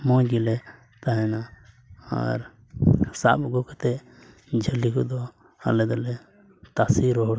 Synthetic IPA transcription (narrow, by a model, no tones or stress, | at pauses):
mɔ̃ɡilɛ | t̪aɦɛna | a̰ɾ | sa̰bɡɔkɛt̪ɛ | d͡ʒʱəlikud̪ɔ | a̰lɛd̪ɔlɛ | t̪asiɾɔɦɔɽ